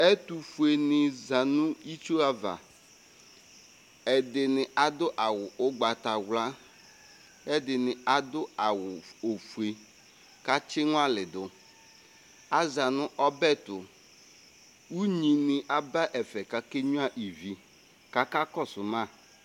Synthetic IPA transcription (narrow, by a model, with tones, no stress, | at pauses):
ɛ˦tu˨fu˨e˨nɪ˨za˨nʊ̃˦i˦t͡ʃo˦a˦va̰˨ | ɛ˨dɪ˨nɪ˨ʔa˨dʊ˦ʔa˨wʊ˨ʊ˦ɡ͡ba˨ta˨wla˦ | ɛ˦dɪ˨nɪ˨a˨dʊ˦a˨wʊ˨o˨fu˨e˨ | ka˦t͡ʃɪ˦ŋ˦a˦lɪ˨dʊ˨ | a˦za˨nʊ̃˦ʔɔ˦bɛ˦tʊ˨ | u˦ɲĩ˨nɪ˨ʔa˦ba˦ʔɛ˨fɛ˨ka˨ke˦ɲʊ˦a˦ʔi˨vi˨ | ka˦ka˦kɔ˦˨sʊ˨mã˦˨